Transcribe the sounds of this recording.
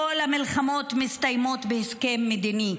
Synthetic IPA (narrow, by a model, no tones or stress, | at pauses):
olhamilχamo̞t̪mist̪ajmo̞t̪beheskemːed̪ini